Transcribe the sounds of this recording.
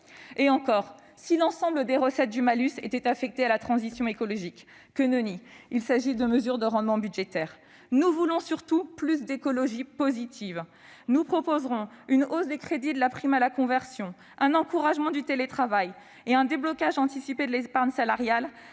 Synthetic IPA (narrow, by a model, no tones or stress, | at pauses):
eɑ̃kɔʁ | silɑ̃sɑ̃bləd̪eʁəsɛt̪̚d̪ymalyset̪ɛt̪afɛk̚t̪ealat̪χɑ̃zisjɔ̃ekɔlɔʒikː | ənøniilsaʒid̪əməzyʁd̪əʁɑ̃d̪mɑ̃byd̪ʒet̪ɛːʁ | nuvulɔ̃syʁt̪uplysd̪ekɔlɔʒipozit̪ʰiv | nupχɔpozʁɔ̃ynozd̪ekχed̪id̪əlapχimalakɔ̃vɛʁsjɔ̃ | ʔɛ̃nɑ̃kuʁaʒmɑ̃d̪yt̪elet̪χavaj | eɛ̃d̪eblɔkʲaʒɑ̃t̪isiped̪əlɛspaʁɲsalaʁjal